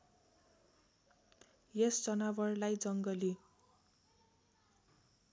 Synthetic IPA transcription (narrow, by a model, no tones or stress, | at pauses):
jesd͡zʌnabʌrlajd͡zʌŋɡʌli